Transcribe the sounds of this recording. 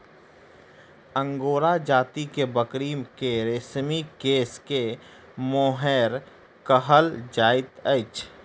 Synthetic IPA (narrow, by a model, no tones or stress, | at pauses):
ə̃ŋɡoːɾad͡ʒaːt̪ikebəkɾiːmkeɾɪsmikeːske | moːɦɛːɾ | kəɦəld͡ʒaːɪt̪əɪt͡ʃ